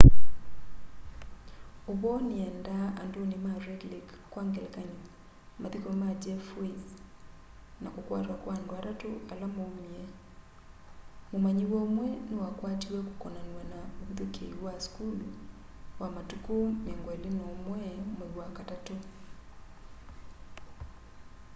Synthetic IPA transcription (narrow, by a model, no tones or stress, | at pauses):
oβɔniɛndaːndonimaɾɛɡlikː | waŋɡɛlkaɲi | maðikɔmad͡ʒɛfwez | nakokwatwakwandwaɾatoalamomiɛ | momaɲiwɔmwɛnewakwatiwɛkokɔnanwanauðekeiwaskulu | wamatukomɛŋɡwɔelenɔmwɛmwɛwakatato